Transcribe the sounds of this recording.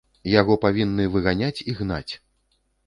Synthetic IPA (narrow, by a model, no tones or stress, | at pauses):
jaɣɔpavʲinːɨvɨɣanʲat͡sʲiɣna̰t͡sʲ